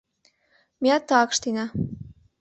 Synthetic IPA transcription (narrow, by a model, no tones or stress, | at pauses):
miɑt̪ːɑkʃt̪inɑ